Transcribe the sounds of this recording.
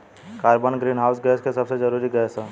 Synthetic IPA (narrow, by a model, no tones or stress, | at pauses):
kaːɾbənɡɾiːnɦaːʊsɡɛːskesɐbsed͡ʒəɾuːɾiɡɛːsə